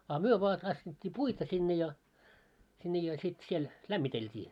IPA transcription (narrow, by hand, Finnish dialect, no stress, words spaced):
ɑ myø ʋoɑ tɑsːitʲːiː puitɑ sinːe jɑ sinːe jɑ sit siel læmːiteltʲiː